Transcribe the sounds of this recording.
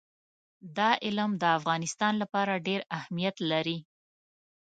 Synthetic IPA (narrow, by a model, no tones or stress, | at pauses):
d̪ɑʔɪlmd̪əafɣɑnɪst̪ɑnlapɑɾaɖeɾahmijat̪laɾi